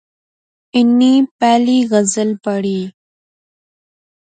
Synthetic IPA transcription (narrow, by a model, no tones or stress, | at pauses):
ɪnːipæːliɣəzəlpəɽi